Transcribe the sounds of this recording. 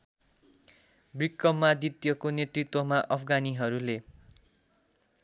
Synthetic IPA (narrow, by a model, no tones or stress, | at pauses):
brikːʌmːad̪it̪jʌkonet̪rit̪wʌmaʔʌpʰɡaniɦʌɾule